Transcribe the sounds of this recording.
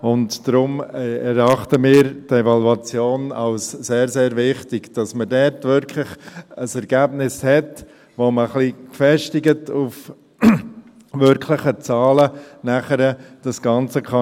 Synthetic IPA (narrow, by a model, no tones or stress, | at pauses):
ʊntd̥ɾʊmɛɾɑχtəmɪːɾtevɑluɑt͡sjoːnɑʊsseːɾzeːɾvɪχtɪɡd̥ɑsmədɛɾtʋʏɾkʰlɪχəsɛɾɡ̥æbnɪshɛt | ʋoməχlikfɛʃtɪɡətuf | ʋʏɾkʰlɪχət͡sɑːlənæχəɾəd̥ɑsɡ̥ɑnt͡səkʰχɑ